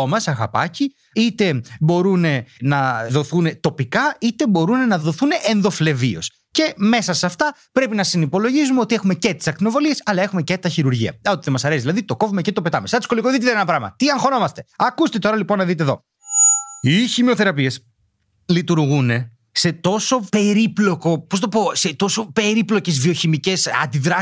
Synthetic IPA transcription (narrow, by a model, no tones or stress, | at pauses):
omɐsɐɣɐ̰pɐ̰ci | it̪e̞bo̞ɾune̞nɐðo̞θune̞t̪o̞pikɐit̪e̞bo̞ɾune̞nɐðo̞θuneʔenðo̞fle̞vio̞̰s | ce̞me̞sɐsɐft̪ɐpɾe̞pinɐsinipo̞lo̞ʝizumeot̪ie̞xume̞cet̪i̥sɐkt̪ino̞vo̞lie̞sɐlɐe̞xume̞cet̪ɐçiɾuɾʝiɐ̰ot̪iðemɐsɐɾesiðilɐðit̪o̞ko̞vumecet̪ope̞t̪ɐmesɐt̪isko̞likoðit̪it̪eɾenɐpɾɐmɐ̰t̪iɐŋxo̞no̞mɐst̪e̞ɐkust̪et̪o̞ɾɐlipo̞nːɐðit̪̬eðo̞̰ | içimeo̞θe̞ɾɐpies | lit̪uɾɣune̞ | se̞t̪o̞so̞pe̞ɾiplo̞ko̞posnɐt̪opo̞set̪o̞so̞pe̞ɾiplo̞ce̞zvioçimice̞sɐ̰nd̪iðɾɐ